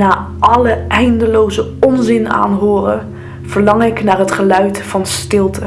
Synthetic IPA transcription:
naː | ɑləɛjndəlowzəɔnzɪna̰ːnɦʊːrə | v̥əɹlɑŋɪknaːɹɦətχəlœɥtfɑnstɪlˠtʰə

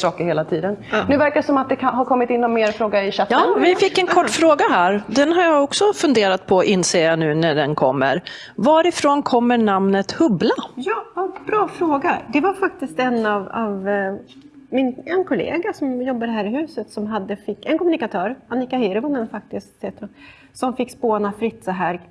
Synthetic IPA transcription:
sɑːkəɾheːlat̪ʰiːd̪ənnʉ̟ːvæɾkaɛsɔmat̪̚d̪ɛkʰaɦaɾkʰɔmːɪt̪ɪnːɔmːeːɾfɾoːɡaɪɕat̪ɑːvɪfɪkːɛnkʰɔʈːfɾoːɡaɦæːɾd̪ɛnɦaɾjaɔksɔfɵnd̪eːɾat̪̚pʰɔʔɪnseːjanʉ̟ːnæɖɛnkʰɔmːə̰ɾ | vɑːɾɪfɾoːnkʰɔmːəɳamnət̪hɵblajɑːbɾɑːfɾoːɡad̪ɛvaɾfak̚t̪ɪst̪ɛnːɑvɑv | mɪnɛnkʰʊlḛːɡasɔmjɔbːaɾəɦæːɾɪɦʉ̟ːsət̪sɔmɦad̪ːəfɪkːɛnkɔmɵnɪkat̪ʰœːɾanɪkahiɾvɔmɛnfak̚t̪ɪsset̪ɔ | sɔmfɪkːspoːnafɾɪt̪ːsɔɦæɾɡ

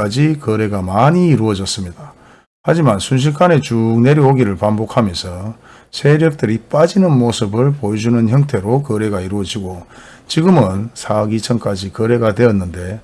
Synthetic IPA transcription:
ad͡ʑikʌɾe̞ɡamaɲiːɾuʌd͡ʑʌs͈ɯmɲid̥a | had͡ʑimansʰunɕ̬ʰiɭk͈ane̞t͡ɕukne̞ɾjʌoɡiɾɯɭpambokʰamjʌnsʰʌ | sʰe̞ɾjʌk̚t͈ɯɾip͈ad͡ʑinɯnmosʰɯbɯɭpojed͡ʑunɯnçjʌŋtʰe̞ɾokʌɾe̞ɡaiɾuʌd͡ʑiɡo | t͡ɕiɡɯmɯnsʰaɡit͡ɕʰʌŋk͈ad͡ʑikʌɾe̞ɡatwe̞ʌnːɯnde̞

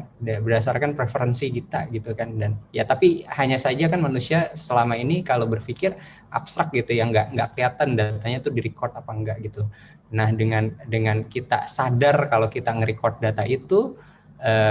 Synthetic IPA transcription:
dabərdas̬arkanpɾefəɾənsikit̪a̰ɡit̪ukandanjat̪apihaɲasad͡ʒakanmanusiasəlamainikalobərfikɪr | ʔa̰pst̪ɾak̚ɡit̪ujaŋɡaʔŋɡaʔkəliat̪andat̪aɲat̪udiɾikɔrt̪apaəŋɡaʔɡit̪u | nahdəŋandəŋankit̪a̰sadarkalokit̪aŋəɾikɔrt̪̚dat̪aʔit̪u | ʔəː

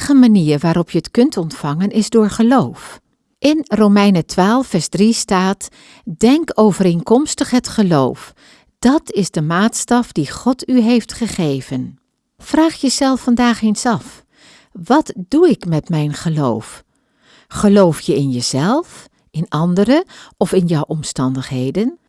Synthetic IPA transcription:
χəmaniːɹʋaːɾɔpjəətkɵntɔntfɑŋənʔɪzdʊːɹχəlowf | ʔɪnrowmɛjnətʋaːlˠfɛɹsdristaːt | dɛŋkowvəɾenkɔmstəχɦətχəlowf | d̥ɑtʰɪzdəmaːtstɑfdiχɔtyɦejftχəχejvən | fraːχjəzɛlˠfːɑndaːχejnsɑf | ʋɑtduɪkmɛtmɛjnχəlo̰wf | χəlowfjəɪnjəzɛlˠf | ʔɪnɑndərəʔɔfɪnjɔwʔɔmstɑndəχɦejdən

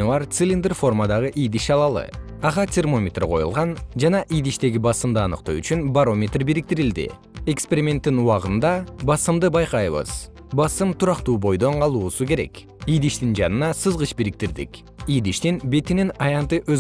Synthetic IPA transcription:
vɑɾt̪silʲind̪rfo̞rmad̪ɑʁəʔijd̪iʃɑlˠɑlˠɯ̰ | ɑʁɑt̪ʲʰermo̞mʲe̞t̪rqʰo̞jṵlˠʁɑnd͡ʒɑnɑʔijd̪iʃt̪e̞ɡibɑsɯmd̪ɯɑnɯ̰qt̪o̰yt͡ʃynbaɾo̞mʲe̞t̪rbiɾik̚t̪iɾild̪ḭ | e̞kspʲe̞ɾʲimʲe̞nt̪ːinuɑʁɯnd̪ɑbɑsɯmd̪ɯbɑjqɑjβɯ̰z̥ | bɑsɨmt̪ʰuɾɑqt̪uːbo̞jd̪o̞ɴqʰɑlˠuːsuke̞ɾe̞̰k | ijd̪iʃt̪ind͡ʒɑnɯnɑsɨzʁɯʃbiɾik̚t̪iɾd̪ḭk | ijd̪iʃt̪inbe̞t̪ininɑjɑnt̪ɨʔøz

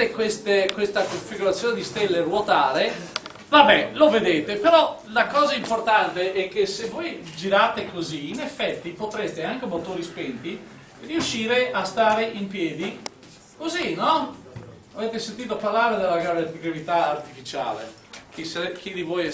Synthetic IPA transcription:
ekwest̪ekwest̪akoɱfiɡuɾat̪sːjoːned̪ist̪elːerwot̪aːɾe | vabɛloved̪eːt̪epeɾɔlakɔːzaimport̪ant̪eʔɛk̟ːesevojd͡ʒiɾat̪ekoziːnefːɛt̪ːipot̪ɾest̪eaŋk̟emot̪oːɾispent̪i | riuʃːiːɾeʔast̪aːɾeʔimpjɛːd̪i | kozinɔ | aveːt̪esent̪iːt̪oaparlaːɾed̪elːaɡɾaveiɡɾavit̪aːrt̪ifit͡ʃa̰ːlḛ | k̟isaɾk̟id̪ivoj

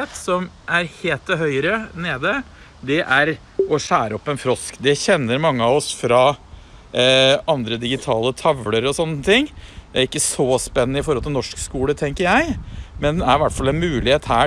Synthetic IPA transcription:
t̪sɔmʔæɾheːlt̪ɔɦœʏɾəneːd̪ə | d̪ɛʔæɾ | ɔʂæːɾəɔpːɛnfɾɔskd̪ɛçɛnːəɾmɑŋːəɑʋɔsfɾɑ | ɑnd̪ɾəd̪ɪɡɪt̪ʰɑːlət̪ʰɑʋləɾɔsɔnːət̪ʰɪŋːd̪æɾɪkːəsɔspɛnːənəɪfɔɾhɔlt̪ɪlɔʂkskuːlət̪ʰɛŋkəɾjæɪmɛnd̪ɛæɾʋæʈfɑlːɛnmʉːlɪheːt̪hæː

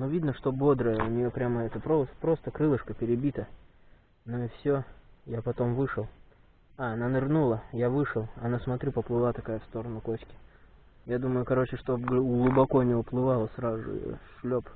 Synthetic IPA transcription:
nuvʲid̪nəʂt̪o̞bo̞d̪ɾəjəʊnʲɪjopɾʲaməɛt̪əpɾopɾo̞st̪əkɾɨlˠɨʂkəpʲɪɾʲɪbʲit̪ə | noɪfsʲojapɐt̪o̞mvɨʂɨlˠ | aɐnanɨrnulˠəjavɨʂɨlˠɐnasmɐt̪ɾʲupəplˠɨlˠat̪ɐkajəfst̪o̞ɾənʊkoɕkʲɪ̥ | jad̪uməjʊkɐɾo̞t͡ɕɪʂt̪oɡlˠʊbɐko̞nʲɪʊplˠɨvalˠəsɾazʊ̰ʂlʲop

